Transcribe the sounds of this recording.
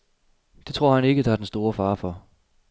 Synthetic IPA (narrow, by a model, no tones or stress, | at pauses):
d̥e̝t͡sʰʁo̝ɐ̰hæne̝ɡ̥əd̥ɑ̈æɐd̥ensd̥o̝ːɐfɑ̈ːfɒ̽